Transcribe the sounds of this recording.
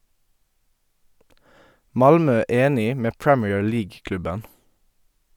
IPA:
ˈmɑlmœ ˈeːnɪ ˈmeː ˈpɹɛmiːəɹ ˈliːɡ ˈklʉbən

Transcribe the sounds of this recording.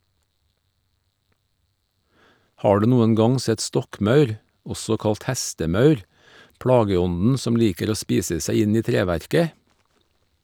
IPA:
ˈhɑː ˈɖʉː ˈnuːən ˈɡɑŋ ˈsɛt ˈstɔkˌmɑʉɾ ˈɔsɔ ˈkɑlt ˈhæstəˌmɑʉɾ ˈpɽɑːɡəˌɔnn̩ ˈsɔm ˈliːkəɾ ˈoː ˈspiːsə ˈsæɪ ˈɪn ˈiː ˈtɾeːˌʋæɾkə

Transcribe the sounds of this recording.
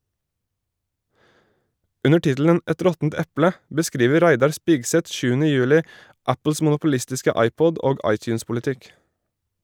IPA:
ˈʉnə ˈʈɪtl̩ən ˈʔɛt ˈɾɔtn̩t ˈɛplə bəˈskɾiːʋə ˈɾæɪdɑɾ ˈspiːɡsɛt ˈʃʉːənə ˈjʉːlɪ ˈæpl̩s mʊnʊpʊˈlɪstɪskə ˈɑɪˌpɔd ˈoːɡ ˈɑɪˌtjʉːnspʊlɪˌtɪk

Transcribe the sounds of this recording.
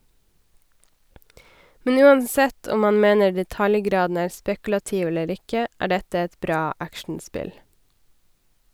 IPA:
ˈmɛn ˈʉːɑnˌsɛt ˈɔm ˈmɑːn ˈmeːnə ɖɛˈtɑljˌɡɾɑːdn̩ ˈæːɾ ˈspɛkl̩ɑˌtiːʋ ˈɛləɾ ˈɪkə ˈæː ˈɖɛtə ˈɛt ˈbɾɑː ˈækʃɳ̩ˌspɪl

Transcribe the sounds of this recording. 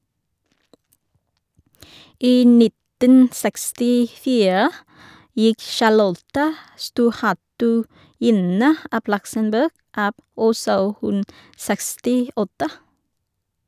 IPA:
ˈiː ˈnɪtən ˌsækstɪˈfiːɹə ˈjɪk ʃɑˈlɔtə ˈstuːʁˌhætʉˌjɪnə ˈʔɑb ˈlʌksənˌbɜːɡ ˈɑːb ˈɔsɔ ˈhʉn ˈsækstɪˌɔtə

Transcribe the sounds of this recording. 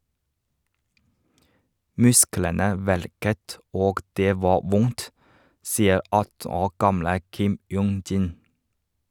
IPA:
ˈmʉsklənə ˈʋæɭkət ˈoːɡ ˈdeː ˈʋɑː ˈʋʊnt ˈsiːə ˈɑtn̩ ˈoːɾ ˈɡɑmlə ˈkɪm ˈjuːŋ ˈdiːn

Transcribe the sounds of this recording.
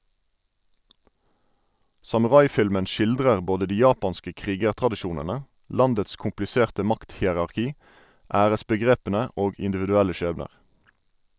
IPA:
sɑmʉˈʁɑɪˌfɪlmən ˈʃɪldʁəʁ ˈboːdə ˈdiː ˈjɑːpɑnskə ˈkʁiːɡəʁtʁɑdɪˌʃuːnənə ˈlɑndəts kʊmplɪˈseːʁtə ˈmɑkthiːəʁɑʁˌkiː ˈæːʁəsbəˌɡʁeːpənə ˈoːɡ ɪndɪʋɪdʉˈælə ˈʃeːbnəʁ

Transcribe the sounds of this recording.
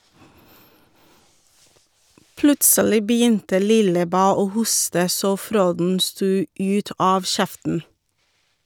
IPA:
ˈplʉtsəlɪ bəˈjʏntə ˈlɪləˌbæː ˈoː ˈhʊstə ˈsoː ˈfɾoːdn̩ ˈstuː ˈʉːt ˈɑːʋ ˈʃɛftn̩

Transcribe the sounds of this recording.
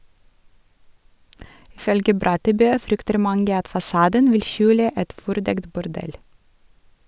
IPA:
ˈɪ ˈfœlɡə ˈbɾɑtəˌbøː ˈfɾʏktəɾ ˈmɑŋɡə ˈɑt fɑˈsɑːdən ˈʋɪl ˈʃʉːlə ˈʔɛt ˈfɔɾˌdɛkt bʊɾˈɖɛl

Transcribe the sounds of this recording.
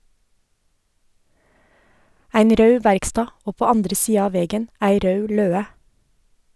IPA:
ˈæɪn ˈɾœʉ ˈʋæɾkˌstɑː ˈoː ˈpoː ˈɑndɾə ˈsiːɑ ˈɑː ˈʋɛɡən ˈæɪ ˈɾœʉ ˈløːə

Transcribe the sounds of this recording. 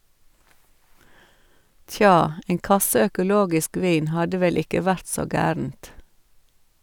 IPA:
ˈtjɑː ˈeːŋ ˈkɑsə œkʊˈloːɡɪsk ˈʋiːn ˈhɑdə ˈʋɛl ˈɪkə ˈʋæɾt ˈsoː ˈɡæːɾn̩t

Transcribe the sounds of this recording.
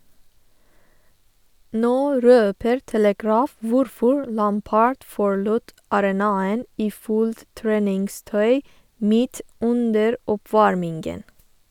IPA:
ˈnoː ˈɾøːpəɾ tɛləˈɡɹɑːf ˈʋʊɾfɔɹ ˈlɑmpɑɹɖ ˈfɔɹɭʊt ɑɾɛˈnɑːən ˈiː ˈfuːlt ˈtɹeːnɪŋˌstœʏ ˈmiːt ˈʉndəɾ ɔˈpʋɑɹmɪŋɡən

